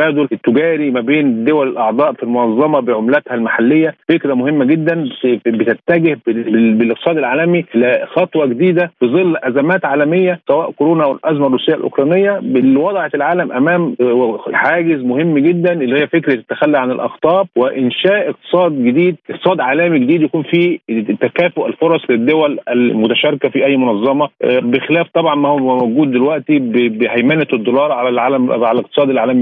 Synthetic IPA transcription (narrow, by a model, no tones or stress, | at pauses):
æːd̪olʔet̪ːʊɡæːɾimæbeːnd̪owælelʔɑʕd̪ˤɑːʔfilmonɑzˤːɑmɑbeʕomlæt̪hælmaħalːejːæfekɾæmʊhemːæɡed̪ːænbet̪æt̪ːæɡehbbelʔeʔq̚t̪sˤɑːd̪elʕaːlæmiʔɪlæxɑt̪ˤwɑɡed̪iːd̪æfɨzˤɨlːʔæzæmæːt̪ʕaːlæmejːæsæwæːʔkoɾoːnɑwelʔæzmæʔrˤːuːsejːæ̰lʔo̰kɾˤɑːnejːæbelːiwɑd̪ˤʕelʕaːlæmʔæmæːm | ħaːɡɪzmʊhemːɡed̪ːænʔelːiːhejæfekɾet̪ːæxælːiʕanɪlʔɑ̰xt̪ˤɑːbwɪʔɪnʃæːʔeq̚t̪ɨ̥sˤɑːd̪ɡed̪iːd̪̚ʔeqt̪sˤɑːd̪ʕaːlæːmiɡed̪iːd̪jækuːnfit̪ːækæːfoʔælfoɾˤɑsˤled̪ːowælælmʊt̪æʃɑɾˤkæfiʔæjːmʊnɑzˤːɑmɑbexelæːft̪ˤɑbʕɑnmæhowmoɡuːd̪̚ːelwæʔt̪ibbhæjmæːned̪ˤːolɑːɾˤʕalælʕaːlæmʕalæleq̚t̪ɨ̥sˤɑːd̪ɪlʕaːlæmi